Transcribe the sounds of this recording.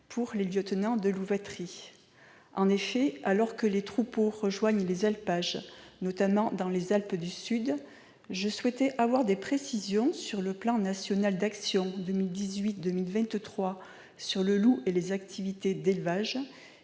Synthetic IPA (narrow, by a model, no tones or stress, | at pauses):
pʰuʁleljɔt̪nɑ̃d̪əluvɛt̪χi | ɑ̃nefɛalɔʁkəlet̪χupoʁəʒwaɲlezalpaʒnɔt̪amɑ̃d̪ɑ̃lezalpd̪ysyd̪ | ʒəswɛt̪ɛʔavwaʁd̪epχesizjɔ̃syʁləplɑ̃nasjɔnald̪aksjɔ̃d̪əmild̪izɥit̪̚d̪əmilvɛ̃t̪t̪χwa | syʁləluelezakt̪ʰivit̪ed̪elvaʒ